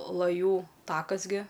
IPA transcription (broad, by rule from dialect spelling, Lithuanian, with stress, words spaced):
lˠɐˈjuː ˈtɑːkɐs ɡʲɪ